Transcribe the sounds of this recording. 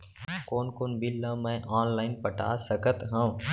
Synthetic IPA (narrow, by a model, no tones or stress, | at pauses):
koːnkʊnbɪlːãːmɛ̃ʔaːnlaːɪnpəʈa̰ːsəkət̪ɦãũ